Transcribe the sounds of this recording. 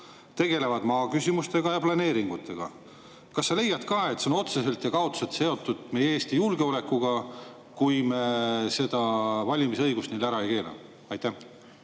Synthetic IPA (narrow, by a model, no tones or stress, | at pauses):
t̪e̞ɡ̥e̞le̞vɑd̪̥mɑːkysimust̪e̞ɡ̥ɑjɑplɑne̞ːɾiŋɡ̥ut̪ːˑe̞ɡ̥ɑ̰ | kɑsːɑle̞jɑd̪̥kɑːe̞t̪ːseo̞no̞t̪sese̞lt̪jɑkɑot̪selt̪se̞o̞t̪ˑːud̪̥me̞jeeːst̪ijulɡ̥e̞o̞le̞kːuɡ̥ɑ | kujmese̞d̪̥ɑvɑlʲimisɤ̞jɡ̥ust̪nilæɾɑe̞jke̞ːlɑ̰ | ɑjt̪ːˑæ